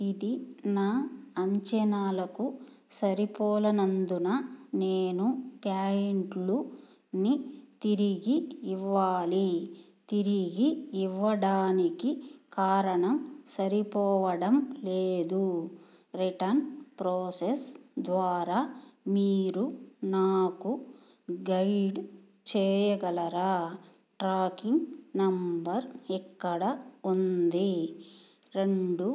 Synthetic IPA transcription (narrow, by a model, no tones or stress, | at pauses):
id̪inaːɐɲt͡ʃɐnaːlɐku | sɐɾipɔːlɐnɐnd̪unɐneːnupjaːjeɳʈlu | nit̪iɾiɡiːʋːaːli | t̪iɾiɡiːʋːɐɽaːnikikaːɾɐɳɐmsɐɾipɔːʋɐɽɐmleːd̪u | ɾiʈɐɾnpɾoːsesd̪ʋaːɾamiːɾunaːku | ɡɐjɖ | t͡ʃɛːjɐɡɐlɐɾa | ʈɾaːkiŋnɐmbɐɾɛkːɐɽɐond̪e | ɾeɳɖu